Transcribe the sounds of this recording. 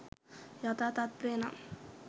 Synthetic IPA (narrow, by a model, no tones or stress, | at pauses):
jat̪at̪at̪̚pɾeːna̰